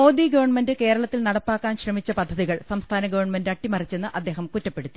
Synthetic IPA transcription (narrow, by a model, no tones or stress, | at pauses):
mo̞ːd̪iːɡɐʋɐɳmendɨke̞ːɾɐɭɐt̪ːilnɐɽɐpːaːkːaːnɕrɐmit͡ɕːɐpɐd̪ʱːɐðiɣɐɭsɐmst̪ʰaːnɐɡɐʋɐrɳmendɐʈːimɐrit͡ɕːe̞nːɨʔɐd̪ːe̞ːɦɐmkutːɐpːe̞ɽut̪ːi̥